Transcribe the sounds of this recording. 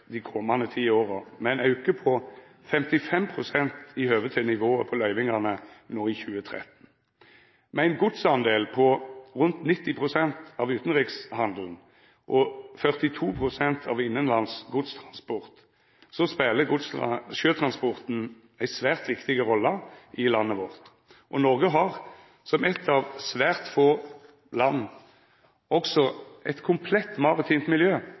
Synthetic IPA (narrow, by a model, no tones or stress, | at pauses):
d̪ɪkʰɔmɑnd̪ət̪ʰiːoːʁəmɛnɑʉkəpʰɔ | fɛmt̪ɪfɛmpʰʁʊsɛnt̪ɪhøːʋət̪ʰɪnɪʋoːəpʰɔlœʏʋɪŋɑnənoːɪçʉːət̪ʰʁɛ̰t̪n̩ | mɛæɪnɡʊd̪sɑnd̪eːlpʰɔʁʉnt̪nɪt̪ːɪpʰʁʊsɛnt̪ɑʋʉːt̪nʁɪkshɑnd̪l̩n̩ | ʔɔfœʁt̪ɪt̪ʰuːpʰʁʊsɛnt̪ʰɑ̰ːʋɪnːənlɑnsɡʊd̪st̪ʰʁɑnspɔʁt̪ | sɔspeːləɡʊd̪sʃøːt̪ʰʁɑnspɔʁt̪n̩ | æɪsʋæːʁt̪ʋɪkt̪ɪɡəʁɔlːəʔɪlɑnːəʋɔʁt̪ | ʔɔnɔʁɡəɦɑʁ | sɔmɛt̪ʰːɑʋsʋæːʁt̪foː | lɑnː | ɔksɔɛt̪kʰʊmpʰlɛt̪ːmɑʁʊt̪ʰiːnt̪mɪljøː